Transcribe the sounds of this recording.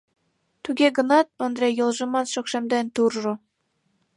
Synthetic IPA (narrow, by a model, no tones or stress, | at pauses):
t̪yɡʲeɡɤ̆nɑt̪̚ond̪ɾʲejɤlˠʒɤ̆mɑnʃokʃemd̪ent̪urʒŏ